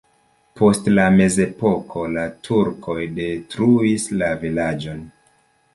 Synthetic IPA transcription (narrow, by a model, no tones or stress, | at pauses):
pʰo̞stlame̞ze̞po̞kʰo̞latʰuɾkʰo̞jde̞tɾuislavilad͡ʒo̞n